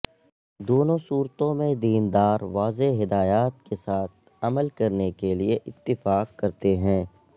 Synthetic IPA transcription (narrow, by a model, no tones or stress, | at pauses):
d̪oːnõsuːɾt̪õmẽd̪iːnd̪aːɾʋaːzeɦɪd̪aːjaːt̪̚kesaːt̪̚ʰ | ɐməlkɐɾnekelieʔɪt̪ːɪfaːqːkɐɾt̪eɦɛ̃ː